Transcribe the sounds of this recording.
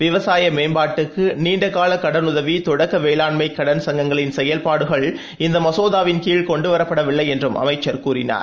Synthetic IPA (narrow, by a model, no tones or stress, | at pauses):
ʋɪʋɐsaːjɐmeːnbaːʈːɯkːɯniːɳɖɐkaːlɐkːɐɽɐnʊðɐʋit̪ɔɽɐkːɐʋeːlaːɳmɐɪkːɐɽɐnsɐŋɡɐŋɡɐɭɪnsɛjɐlpaːɽɯɣɐɭ | ɪnd̪ɐmɐsoːðaːʋɪnkiːɭkɔɳɖɯʋɐɾɐpːɐɽɐʋɪɭːɐɪɛndrɯmʔɐ̰mɐɪt͡ʃːɐɾkuːɾɪna̰ːɾ